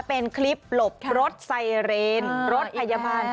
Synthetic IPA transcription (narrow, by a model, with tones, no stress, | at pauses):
pe˧nkʰli˦˥p̚lo˨˩p̚ɾo˦˥t̪̚sa˧jɾeː˧nɾo˦˥t̪̚ʰa˧ja˧baː˧n